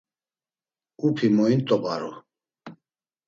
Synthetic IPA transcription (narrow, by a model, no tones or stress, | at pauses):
upʰimɔint̪ʼɔbaɾṵ